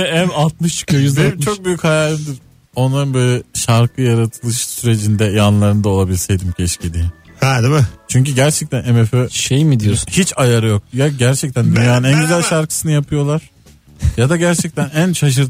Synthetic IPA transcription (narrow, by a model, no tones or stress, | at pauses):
ænat̪̚mɯʃkajzeit͡ʃʰo̞k̚byjychajaːlʲimd̪iɾ | o̞nlˠaɾɯnbølʲɛʃaɾkʰɯjaɾat̪ʰɯlˠɯʃsyɾe̞d͡ʒind̪ɛjanlˠaɾɯnd̪aolˠabilʲsɛjd̪imcʰɛʃcid̪ihad̪imɪt͡ʃʰyɲc̬yɟæɾt͡ʃʰɛc̚t̪ʰænemeføʃejmid̪ijoshit͡ʃajaɾɯjo̞k̚jaɟæɾt͡ʃʰɛc̚t̪ʰænd̪ynjaːnɯnænɟyzælʲʃaɾkʰɯ̥sɯnɯjapʰɯjo̞lˠaɾ̥ | jad̪aɟæɾt͡ʃʰɛc̚t̪ʰænænʃaʃ̬ɯɾt̪